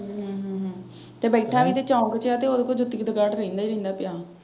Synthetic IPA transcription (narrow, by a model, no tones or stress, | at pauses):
ɦə̃ɦɦə̃ː | t̪eːbɛːʈʰaːʋiːt̪eːt͡ʃãːkət͡ʃjaːt̪eːoːd̪ekoːd͡ʒʊt̪ːɪkd̪əɡaːʈɾəĩːnd̪aːiɾə̃ĩnd̪aːpɪjaː